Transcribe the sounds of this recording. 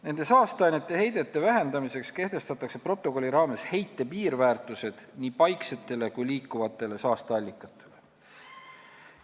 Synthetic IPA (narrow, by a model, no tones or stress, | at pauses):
ne̞nd̪̥e̞sɑːst̪eɑjnet̪ːˑe̞ɦe̞jd̪e̞t̪ːˑe̞væɦe̞nd̪ɑmise̞kske̞ht̪e̞st̪ɑt̪ːˑɑkse̞pro̞t̪ːˑo̞ko̞lʲːiɾɑːme̞she̞jt̪ːe̞piːɾvæːrt̪ˑuse̞d̪̥niːpɑjkse̞t̪ːˑe̞le̞kujliːkːˑuvɑt̪ːˑe̞le̞sɑːst̪eɑlʲːikːˑɑt̪ʰːˑe̞le̞